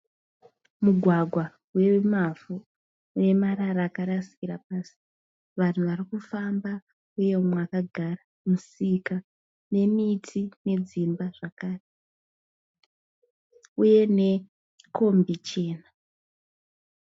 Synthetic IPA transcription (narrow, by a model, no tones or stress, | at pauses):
muɡʱwaɡʱwa | we̞mavuː | ne̞maɾaɾaːkaɾasi̥kiɾap̚asi̥ | ʋan̤uʋarikufamba | uje̞umwakaɡʱara | musika | ne̞mitʰine̞d͡zimbaʐ̥akaːre | uje̞ne̞ | kʰo̞mbit͡ʃe̞ːna